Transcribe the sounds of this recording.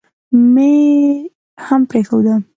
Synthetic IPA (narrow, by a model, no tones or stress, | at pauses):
me | hampɾexawd̪a